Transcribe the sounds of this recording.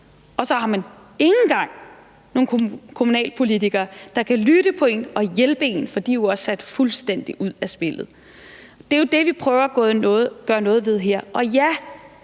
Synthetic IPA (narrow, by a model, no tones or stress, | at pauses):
ɒ̽sɒ̽hɑ̈mæn | e̝ŋn̩ɡ̥ɑ̈ŋ̰ | no̝ːnkʰo̝munɛ̰ːlpʰo̝lit͡sʰiɡ̥ɐːd̥ɑ̈kʰælyɾ̥əpʰɒ̽e̝nɒ̽jelb̥əe̝̰nfɒ̽d̥ḭːjoɒ̽sːæd̥fulsd̥en̰d̥iʔuð̞̰ˠæsb̥e̝lð̞̩ˠ | d̥e̝jo̝d̥e̝ʋipʰʁœːʊɐɡ̥ɔ̽ːɡ̥ɶːɐnɔ̽ːð̞̩ˠʋe̝ð̞ˠɦeɐ̰ʔɒ̽jæ